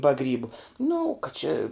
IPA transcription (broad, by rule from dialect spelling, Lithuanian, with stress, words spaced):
bɐ ˈɡrʲiːbʊ nʊ kɐ t͡ʃʲɪ